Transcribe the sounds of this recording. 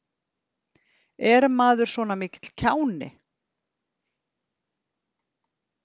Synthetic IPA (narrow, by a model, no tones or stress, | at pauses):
ɛɾmaːðʏɾ̥svɔːnamɪːcɪ̥t̪l̥cʰaːwnɪ̰